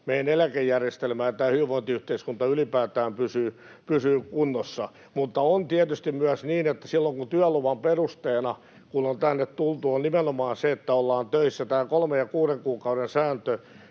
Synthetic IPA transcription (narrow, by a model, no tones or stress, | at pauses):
meinelækejːærjest̪elmæːjɑt̪æːhyiʋoint̪iyht̪eiskunt̪ɑylipæːt̪æːmpysyː | pysyːkunːosːɑ | mut̪ːɑont̪iæt̪yst̪immyæsniːnet̪ːæsilːoŋkunt̪yæluʋɑmperust̪eːnɑ | kunont̪ænːet̪t̪ult̪uonnimenomɑːnseet̪ːæolːɑːnt̪øisːæt̪æːkolmejjɑkuːɾeŋkuːkɑuɾensæːnt̪ø